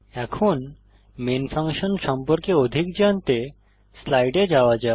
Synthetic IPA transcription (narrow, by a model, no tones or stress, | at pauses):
ɛkʰuːn | menfʰãŋkɕənʃɔmpɔɾkeod̪ʱikd͡ʑant̪e | slajɖed͡ʑaʋad͡ʑa